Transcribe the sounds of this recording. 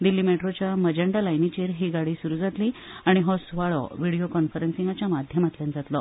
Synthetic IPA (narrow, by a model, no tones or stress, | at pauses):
d̪ilːiːmeʈɾot͡ɕjaməd͡ʑəɳɖalajnit͡ɕiːɾɦiːɡaɽiːsuɾuːd͡zat̪liːaɽ̃iɦɔsʋaɭɔ̰ʋiɽijokɔnfəɾensĩŋɡat͡ɕjamad̪ʱjəmat̪ljãnd͡zat̪lɔ